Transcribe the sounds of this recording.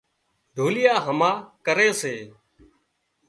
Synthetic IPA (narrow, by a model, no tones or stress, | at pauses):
ɖ̪ʱoːlɪjaːɦəmãːkəɾeːseː